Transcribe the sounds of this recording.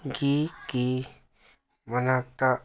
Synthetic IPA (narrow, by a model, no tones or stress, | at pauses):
ɡiki | mənat̪a